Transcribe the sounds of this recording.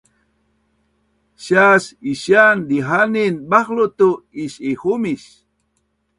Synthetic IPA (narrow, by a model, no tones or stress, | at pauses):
ɕasiɕjand̪iɦaninbaxlut̪uiɕixumiɕ